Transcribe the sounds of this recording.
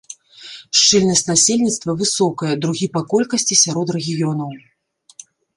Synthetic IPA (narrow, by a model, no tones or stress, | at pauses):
ʂt͡ʂɛlʲnɐsʲtʲnasʲelʲnʲit̪st̪vɐvɨsɔkɐjɛd̪ɾuɣʲipakɔlʲkɐsʲt͡sʲisʲaɾɔt̪rɛɣʲijɔnɐw